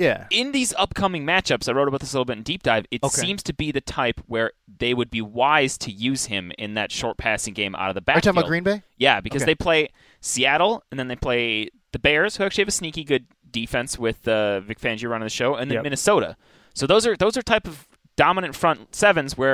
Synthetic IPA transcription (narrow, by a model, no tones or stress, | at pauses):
jæɪ̃nðizʌp̚kʰʌmɪ̃ŋmæt͡ʃʌpsaɪɹoʊɾəbaʊt̪̚ðɪslɪɾl̩ˠbɪɾn̩dip̚d̥aɪvɨtsĩmz̥tʰɨbiðɨtʰaɪpʰwə˞ðeɪwɨd̚biwaɪz̥tʰɨjʉz̥ɪ̃mɪ̰̃nðɨ̰tʃɔɹt̚pʰæsɪ̃ŋɡẽɪ̃mʔa̰ʊɾʌvðəbætʰãlˠɡɹĩnbeɪ | jæbɨkkʌzðeɪpʰl̥eɪ | siæɾl̩ˠɨ̃nðɨ̃nðeɪpʰl̥eɪ | ðɨbɛɹz̥hʉæk̚t͡ʃʉiɨvɨsnikiɡʊd | difɛ̃nswɪðʌvɪkfæ̃nd͡ʒəɹʌ̃ñɪ̃ŋðɨʃoʊɨ̃nðɨmɪ̃nɨsoʊɾə̰ | soʊðoʊzə˞ðoʊzə˞tʰaɪpʌv | d̥ɑmənɨ̃ntfɹʌ̃ntsɛvɨ̃nzwə˞